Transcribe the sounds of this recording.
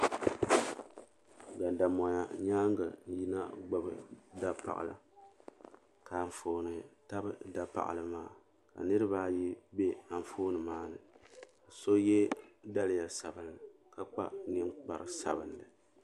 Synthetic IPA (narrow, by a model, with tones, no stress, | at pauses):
ɡa˨nda˨mo˨ja˨ɲaː˦ŋɡɨ˨n̩˦ji˦na˦ɡ͡ba˦bɨ˨da˨pa̰˨ʔa̰˨la̰˨ | ka˨ɱ˨foː˦nɨ˨ta˦bɨ˦da˨pa̰˨ʔa̰˨lɨ˨maː˦˨ | ka̰˨nɨ˦ɾɨ˦baː˦ji˦be˦a˨ɱ˨foː˦nɨ˨maː˦nɨ˨ka˨so˦jɛ˦da˦lɪ˨ja˨sa˨bɨ˨nɨ˨ | ka˦k͡pa˦nɛ˦ŋ͡mk͡pa˨ɾɨ˨sa̰˨bɨ˨ndɨ˨